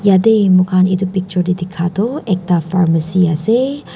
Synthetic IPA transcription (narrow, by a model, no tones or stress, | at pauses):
jad̪emukʰanit̪upik̚t͡ʃuɾdid̪ikʰat̪oʔɛk̚t̪afaɾmasiase